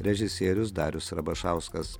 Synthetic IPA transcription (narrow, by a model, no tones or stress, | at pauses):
ɾʲɛʒʲɪsʲeːɾʲʊs̬d̪ɑːɾʲʊsɾɐbɐʃɑˑʊskɐs